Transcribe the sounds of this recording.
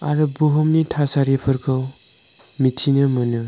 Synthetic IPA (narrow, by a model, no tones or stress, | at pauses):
a̰ɾɯbuɦɔmnitʰasaɾipʰɯɾkʰɯw | mitʰinɯmɯnɯ